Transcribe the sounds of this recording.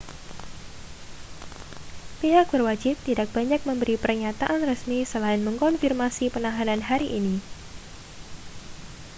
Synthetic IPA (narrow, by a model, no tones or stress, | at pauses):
piɦak̚bərwad͡ʒɪp̚t̪idak̚b̥aɲak̚məmbəɾipərɲat̪aʔanrəsmisəlaɪnməŋkɔnfirmasipənaɦananɦaɾiʔini